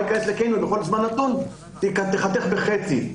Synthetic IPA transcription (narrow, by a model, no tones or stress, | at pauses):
kaeslekejnuleχolzmanːat̪un | t̪ekat̪eχat̪eχbeχet͡si